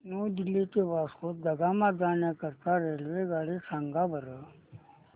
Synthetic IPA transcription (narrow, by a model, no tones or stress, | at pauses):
nod̪ilet̪ebaːskot̪̚d̪əɡamad̪aːnjakəɾt̪aɾeɦlʋeɡaːɽesaŋɡabəɾə